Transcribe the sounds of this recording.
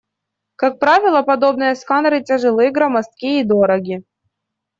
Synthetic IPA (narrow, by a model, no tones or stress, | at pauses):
kak̚pɾavʲɪlˠɐpɐd̪o̞bnɨjəskanɾɨtʲɪʐɨlˠɨjɡɾamɐst̪kʲiːd̪o̞ɾɐɡʲɪ